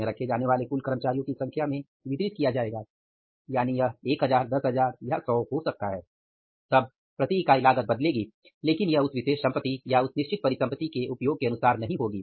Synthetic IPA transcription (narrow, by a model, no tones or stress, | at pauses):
ẽɾɐkʰed͡ʒaːneʋaːlekʊlkəɾəmət͡ʃaːɾijõkisɐ̃ŋkʰjamẽ | ʋɪt̪ɾɪt̪̚kijad͡ʒaːeːɡaː | jaːnijɐɦeːkɦɐzaːɾd̪ɐsɦɐzaːɾjɐsɔːɦosɐk̚t̪aɦɛː | t̪ɐb̚ | pɾɐt̪ikaɪlaːɡət̪̚bɐd̪leːɡiː | leːkɪnjɐɦʊsʋɪʃeːʃsɐ̃mpət̪ijaʊsnɪʃt͡ʃɪt̪̚pɐɾɪsɐ̃mpət̪ikeʔʊpjoːɡ̚keɐnʊsaːɾnɐɦĩɦoːɡiː